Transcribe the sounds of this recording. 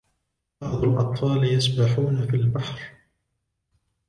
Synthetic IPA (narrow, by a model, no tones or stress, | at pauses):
bɑʕd̪ˤʊlʔɑ̰t̪ˤfɑːljasbaħuːnafilbaħɾ